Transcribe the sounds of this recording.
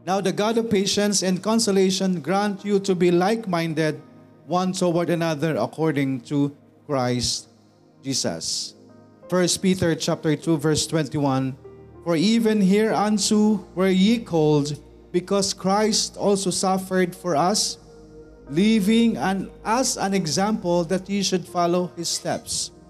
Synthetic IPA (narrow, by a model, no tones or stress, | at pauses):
nawd̪ɐɡad̪ɔvpeɪʃɛ̃nsɛ̃nd̪̚kɔ̃nsɔleɪʃɔ̃nɡɹãnt̪jut̪ubilaɪkmãjnd̪ɛd̪̚ | wʌ̃ntowaɾɐnaðəɹɐ̰kʰɔɹdɪ̃ŋt̪u | kɹaɪst̪ | d͡ʒiːsɐ̰s | fɛɹst̪̚pit̪ɛɹt͡ʃap̚t̪ɛɹt̪ʰuvɛɹst̪wɛ̃nt̪iwãnfɔɹivɛ̃nɦiɹãntuwɛɹjikʰold̪ | bɪkɔskɹajst̪ɔlsosʌfɛɹd̪fɔɹʌs | livɪ̃ŋɛ̃nasãnɛɡzãmpəlˠd̪at̪hiʃʊd̪fɑlohɪsːt̪ɛ̰ps